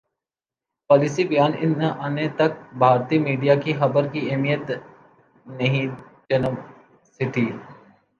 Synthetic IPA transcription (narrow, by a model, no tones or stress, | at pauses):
pɔːlɪsibɐjaːnɪnaʔɐnet̪ɐk̚bʱaːɾt̪imiːɖijakixɐbəɾkieːmijət̪ | nɐɦĩ | d͡ʒɐnəʋ | sɪʈiː